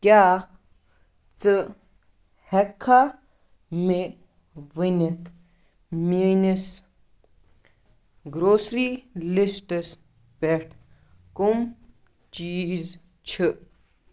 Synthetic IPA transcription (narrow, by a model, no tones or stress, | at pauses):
kʲjaː | t͡sɨ | hekʰːa | me | ʋənik | minis | ɡɾoːsɾilisʈəs | peʈʰ | kum | t͡ʃiːz | t͡ʃʰi